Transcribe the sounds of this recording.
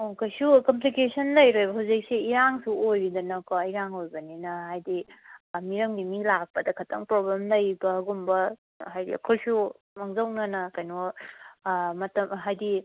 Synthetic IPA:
okʰojsukɐmp̬likesɐndɐjɾojbɐɦawzik̚seiɾaŋsuojɾidɐnɐkoiɾaŋojbɐninɐɦajdimiɾɐŋdimilak̚pɐdɐkʰɐtʰɐŋpɾoblemdɐjbɐːɡumbɐ | ɦajdḭɐ̰kʰolsu | mɐŋzɐwnɐnɐkajnɔ | mɐtɐmɦajdi

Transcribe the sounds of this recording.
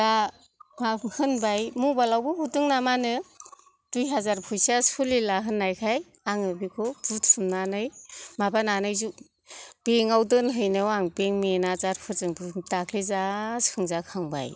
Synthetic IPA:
a | mahɯnbajmubalawbɯbutɯŋnamanɯ | d̥ujɦazaɾpʰujsasʰulilaɦɯnːajkʰaj | aŋɯbikʰɔbutʰɯmnanɯjmabananɯjzu | b̥eŋawdɯnɦɯjnɯwaŋbeŋmenazaɾpʰɯzɯŋbtakʰlizasʰɯŋzakʰaŋba̰j

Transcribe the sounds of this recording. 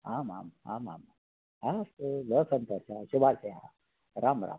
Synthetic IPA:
ɦãma̰mɦa̰ma̰ma | asɡəsənt̪əsaɕubʱalseɦa̰ | ɾamɾa̰

